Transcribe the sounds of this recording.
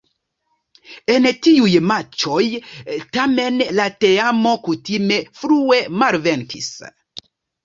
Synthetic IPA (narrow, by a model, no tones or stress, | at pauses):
e̞ntiujmat͡ʃo̞jtame̞nlate̞amo̞kutime̞fɾue̞malve̞nkḭs